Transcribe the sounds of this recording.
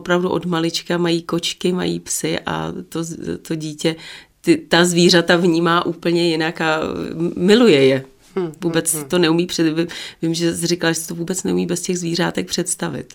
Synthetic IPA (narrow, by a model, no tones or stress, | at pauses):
opɾavduʔo̞dmalɪt͡ʃkamajiːko̞t͡ʃkɪma̰jḭːpsɪʔa̰t̪ozt̪o̞ɟiːcɛt̪ɪt̪azviːr̝at̪avɲiːmaːʔuːpl̩ɲɛjɪnaka | mɪlujɛjɛ | vuːbɛt͡sɪt̪o̞nɛumiːprɛɪvɪmʒɛrɪkalaʒɛsɛt̪ovuːbɛt͡snɛumiːbɛscɛɣzviːr̝a̰ːt̪ɛk̚pr̝̥ɛt̪st̪avɪ̰t̪